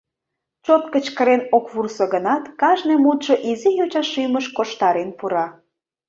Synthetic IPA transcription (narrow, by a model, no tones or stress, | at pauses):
t͡ɕot̪kət͡ɕkəɾenokβursoɣənɑt̪kɑʒnemut̪ʃoʔizijut͡ɕɑʃyməʃkoʃt̪ɑɾenpuɾɑ